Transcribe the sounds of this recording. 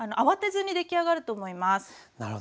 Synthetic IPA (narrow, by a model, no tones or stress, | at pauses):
anoʔaβat̪e̞zɨɲ̟id̪e̞kʲiaɡaɾɯ̟t̪o̞ːmo̞imasɨ̥naɾo